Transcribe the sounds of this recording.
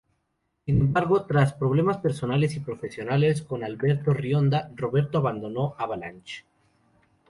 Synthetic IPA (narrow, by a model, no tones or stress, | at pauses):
sine̞mbaɾɣo̞t̪ɾaspɾo̞β̞le̞maspe̞ɾso̞nale̞sipɾo̞fe̞sjo̞nale̞sko̞nalβe̞ɾt̪o̞rjo̞nd̪aro̞βe̞ɾt̪oaβand̪o̞no̞ʔaβala̰nt͡ʃe̥